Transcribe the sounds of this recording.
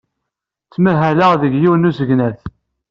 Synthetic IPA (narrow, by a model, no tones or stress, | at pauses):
t͡sːmæɦæləʁðəʝjiwnusəʝnæθ